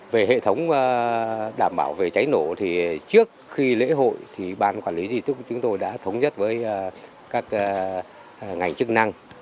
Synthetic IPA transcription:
ve˨˩ɦḛ˧˨t̪ʰə˨˦wŋ͡məː˨˩ɗaː˧˩mɓaː˧˩wve˨˩t͡ɕa˨˦jno˧˩t̪ʰi˨˩t͡ɕɨ˦˥ək̚xi˧lḛ˧˥ɦo̰˧˨jt̪ʰi˨˩ɓaː˧˩nkwaː˧˩nli˨˦zi˨˩t̪t͡ɕʊ˨˦ŋ͡mt̪o˧jɗa̰ː˧˥t̪ʰə˨˦wŋ͡mzə˦˥t̚vəː˨˦jː | kaː˦˥k̚ː | ŋa˨˩jŋ̟t͡ɕɨ˦˥k̚na˧ŋ

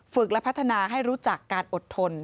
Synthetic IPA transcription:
fɯ˨˩k̚lɛ˦˥pʰa˦˥t̪ʰːa˧naː˧ɦa˥˩jɾuː˦˥t͡ɕa˨˩kːaː˧nʔo˨˩t̪ʰːo˧n

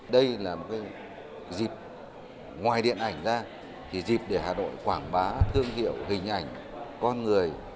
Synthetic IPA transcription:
ɗə˧jlaː˨˩mo˨˩t̚kaː˨˦j | zi˨˩p̚ | ŋwaː˨˩jɗḭ˧˨ənʔa˧˩jŋ̟zaː˧ | t̪ʰi˨˩zi˨˩p̚ɗe˧˩haː˨˩no̰˧˨jkwaː˧˩ŋɓaː˨˦t̪ʰɨ˧əŋɦḭ˧˨əwɦï˨˩ŋ̟ʔa˧˩jŋ̟ | kɔ˧nŋɨ˨˩əj

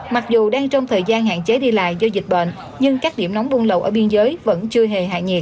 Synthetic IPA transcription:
ma˨˩k̚zu˨˩ɗaː˧ŋt͡ɕɔ˧wŋ͡mt̪ʰəː˨˩jzaː˧nɦa̰ː˧˨nt͡ɕe˨˦ɗi˧la̰ː˧˨jzɔ˧zi˨˩k̟̚ɓa̰ː˧˨n | ɲɨ˧ŋkaː˦˥k̚ɗi˧˩əmnɔ˨˦wŋ͡mɓu˧nlə̰˧˨wʔəː˧˩ɓi˧nzəː˨˦jvə̰˧˥nt͡ɕɨ˧əɦe˨˩ɦa̰ː˧˨ɲi˨˩ət̚

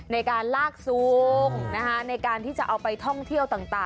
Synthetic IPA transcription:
na˧jkaː˧nlaː˥˩k̚su˨ŋna˦˥kʰa˦˥na˧jkaː˧nt̪ʰiː˥˩t͡ɕa˨˩ʔa˧wpa˧jt̪ʰɔ˥˩ŋt̪ʰi˥˩əwt̪aː˨˩ŋt̪aː˨˩

